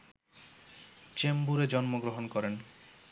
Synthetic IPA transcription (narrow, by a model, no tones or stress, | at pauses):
t͡ɕembuɾed͡ʑɔnmoɡɾoɦonkɔɾen